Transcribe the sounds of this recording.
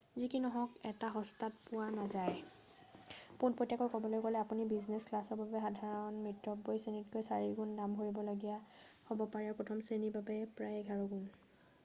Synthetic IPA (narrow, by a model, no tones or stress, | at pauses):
zikinɔɦɔkɛtaɦɔstat̚pʊwanazaj | punpotːakɔjkɔbɔlojkɔlɛapunibiznesklasɔɹbabɛxadʱaɹɔnmɹitɹɔbːojsenitkojsaɹiɡundamɦoɹibɔloɡijahobɔpaɹɛpɔtʰɔmsenibabɛpɹajɡʱaɹɔɡun